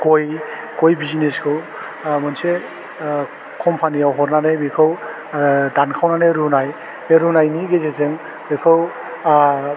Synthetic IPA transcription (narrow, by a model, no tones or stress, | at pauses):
koj | kojbizineskʰɯw | mɔnse | kʰɔmpʰanijawɦɔɾnanabekʰɯw | dankʰawnaneɾunaj | eɾunajniɡezezeŋ | bekʰɯw